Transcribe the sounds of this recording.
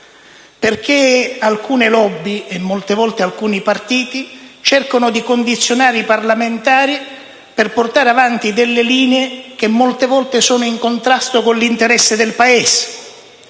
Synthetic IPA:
perk̟ealkuːnɪlɔbːiemːolt̪evɔlt̪ealkuːnipart̪iːt̪it͡ʃɛrkonʊd̪ikond̪it̪sːjonaːɾiparlament̪aːɾi | perport̪aːɾeavant̪id̪elːɪliːneek̟emːolt̪evɔlt̪esɔːnʊiŋkont̪ɾast̪okonlint̪eɾɛsːed̪elpaeːs

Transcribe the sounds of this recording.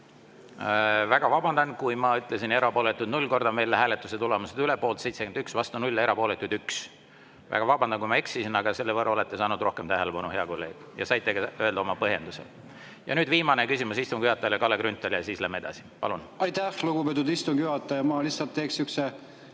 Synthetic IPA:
væɡ̥ɑvɑbɑnd̪̥ɑnkujmɑyt̪ˑlesine̞ɾɑpo̞ːlet̪ːˑud̪nulʲːko̞rd̪̥ɑme̞ːlːeɦæːlet̪ːˑuset̪ulemused̪ylepːˑoːlt̪sejt̪sekend̪yksvɑst̪unulʲːe̞ɾɑpo̞le̞t̪ːˑud̪yks | væ̰ɡ̥ɑvɑbɑnd̪ɑnkujmɑe̞ksisinɑɡ̥ɑse̞lːevɤrːɑolet̪ːˑe̞sɑːnud̪̥ro̞hke̞mt̪æɦelepɑnuheɑko̞lːe̞̰ːɡ̥jɑ̰sɑjt̪ːˑeɡɑø̞eld̪ɑo̞mɑpɤɦje̞̰nd̪usel | jɑ̰nyːd̪viːmɑnekysʲimusist̪umkjyhɑt̪ːˑɑjɑljekɑlːekɾynt̪ːˑeljɑsiːslæːmee̞d̪ɑ̰si̥pɑ̰lunɑjt̪æhluɡubet̪̬ːˑud̪ist̪umɡ̥jyhɑt̪ˑːɑjɑmɑlisːɑlt̪ːˑeːksykse

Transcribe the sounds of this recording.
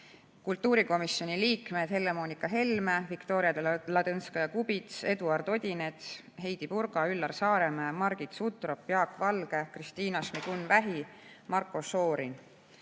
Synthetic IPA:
kult̪ːuːɾiko̞misːjo̞niliːkme̞d̪̥he̞lːe̞mo̞ːnʲikːˑɑɦe̞lmevikt̪o̞ːɾiɑd̪̥elɑd̪ɤnskɑjɑkubit̪se̞d̪uɑrd̪̥o̞d̪ʲine̞t̪ | ɦe̞jd̪̥ipuɾɡ̥ɑylːɑrsɑːɾe̞memɑrɡ̥it̪sut̪ˑro̞pːjɑːkvɑlɡ̥e̞krist̪iːnɑsmiɡ̥unːvæɦi | mɑrkːˑo̞so̞ːɾin

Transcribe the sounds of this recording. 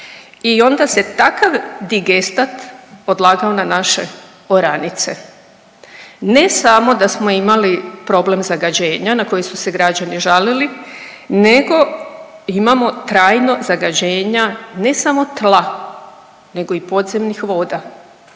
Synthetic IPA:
io̞nd̪ase̞t̪akaʋd̪iɡest̪at̪od̪lˠaːɡaonanaʃe̞ | oɾanit̪se | ne̞samo̞d̪asmo̞imalipɾo̞ble̞mzaɡad͡ʑe̞ːɲanako̞jesuse̞ɡɾad͡ʑaniʒalili | ne̞ɡo̞ | imamo̞t̪ɾaːjno̞zaɡad͡ʑe̞ːɲane̞samo̞t̪lˠa | ne̞ɡo̞ipo̞d̪ze̞mnixʋo̞ːd̪a

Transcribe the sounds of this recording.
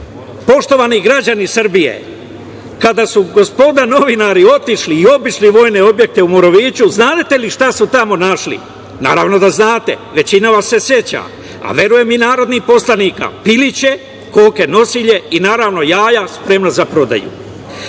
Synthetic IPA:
po̞ʃt̪o̞ʋaniɡɾad͡ʑanisɨr̩bije̞̰ | kad̪asuɡo̞spo̞d̪ano̞ʋinaɾio̞t̪iʃliːo̞biʃliʋo̞ːjne̞o̞bje̞k̚t̪eumoɾoʋiːt͡ɕuznaːd̪t̪e̞liʃt̪asut̪amo̞naʃlḭ | na̰ːɾaːʋno̞d̪aznaːt̪e̞̰ʋe̞t͡ɕinaʋasːe̞sje̞t͡ɕa̰ | a̰ʋje̞ɾuje̞minaːɾo̞d̪nixpo̞slˠanika̰pilit͡ɕe̞ | koːkeno̞siʎe̞inaːɾaʋno̞jaːjaspɾe̞mnazapɾo̞d̪a̰jṵ

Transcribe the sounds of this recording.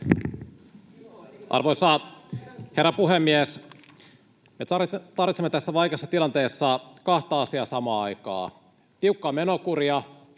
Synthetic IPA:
ʔɑ̰rʋojsɑ | he̞rːɑpuɦemːies | met̪ɑrʋit̪semːet̪æsːæʋɑjkesːɑt̪ilɑnt̪e̞ːsːɑkɑht̪ɑːɑsiɑːsɑmɑːɑjkɑ̰ː | t̪iukːɑːmenokuɾiɑ

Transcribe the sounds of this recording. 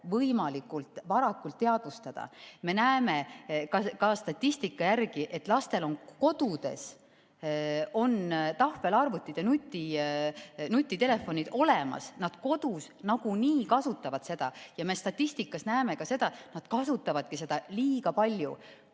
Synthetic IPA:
vɤjmɑlikːˑult̪ˑvɑɾɑkːult̪ːe̞ɑd̪̥ust̪ɑd̪̥ɑ̰me̞næeme̞kɑkɑst̪ɑt̪ʲːist̪ikːɑjærɡ̥iʔe̞t̪ːˑlɑst̪e̞lo̞nko̞d̪̥ud̪̥e̞̰s | o̞nt̪ɑhve̞lɑrvut̪ʲːˑid̪̥enut̪ʲːˑi | nut̪ʲːˑit̪e̞le̞fo̞nid̪̥o̞le̞mɑ̰snɑd̪̥ko̞d̪̥us | nɑɡ̥uniːkɑsut̪ːˑɑvɑd̪̥se̞d̪̥ɑjɑme̞st̪ɑt̪ʲːˑist̪ikːˑɑsnæeme̞kɑse̞d̪̥ɑnɑd̪̥kɑsut̪ːˑɑvɑd̪̥̚kise̞d̪̥ɑliːɡ̥ɑpɑlʲjṵ

